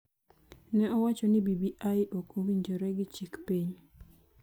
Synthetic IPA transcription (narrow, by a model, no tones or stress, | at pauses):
nɛɔwat͡ʃɔnɪbibiʔajʔokowiɲd͡ʒɔɾɛɡɪt͡ʃikpeɲ